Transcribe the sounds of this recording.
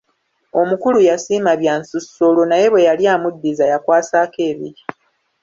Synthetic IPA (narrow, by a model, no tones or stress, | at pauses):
o̞mukulujasiːmaβjaːnsusːo̞lo̞naje̞βwejaljaːmudːizajakwaːsaːke̞ːβiɾi